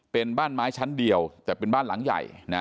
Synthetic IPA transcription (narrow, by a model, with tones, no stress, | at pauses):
pe˧nbaː˥˩nmaː˦˥jt͡ɕʰa˦˥ndi˧əwt̪ɛː˨˩pe˧nbaː˥˩nla̰˩˦ŋja̰˨˩jna˦˥